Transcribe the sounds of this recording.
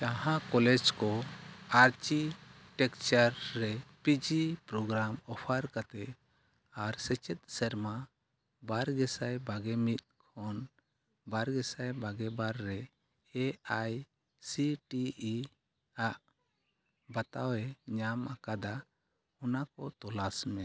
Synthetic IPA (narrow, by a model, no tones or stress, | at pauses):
t͡ʃãɦãkɔlɛd͡ʒkɔaɾt͡ʃi | ʈɛkt͡ʃaɾːɛpid͡ʒipɾɔɡɾamɔpʰaɾkat̪ɛ | aɾsɛt͡ʃɛt̪̚sɛɾma | baɾɡɛsajbaɡɛmit̪̚kʰɔn | baɾɡɛsajbaɡɛbaɾːɛ | ɛaj | siʈii | aʔ | bat̪awɛɲamakad̪a | ɔnakɔt̪ɔlasmɛ